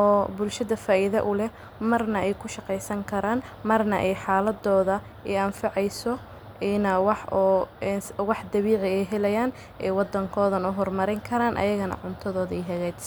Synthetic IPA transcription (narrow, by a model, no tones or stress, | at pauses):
ʔɔːbʊlʃɐðɐfaːʔɪðɐ̰ʔʊlɛ | mɐrnɐʔɛjkʰʊʃɑqɛjsɐŋkʰɐɾaːn | mɐrnɐ̰ʔɛjħaːlɐd̪ɔːðɐ | ɛɐmfɑʕɛjsɔ | ɪnɐwɑħɔnwɑħd̪ɐβiːʕɪɛjɦɛlɛjaːn | ɛːwɑd̪ɐŋkʰɔːðɐnʊɦɔrmɐɾɪŋkʰɐɾaːnʔɐ̰jɐɣɐnɐ̰ʕʊnt̪ʰɐðɔːðɐɛjɦɛɣɛːt̪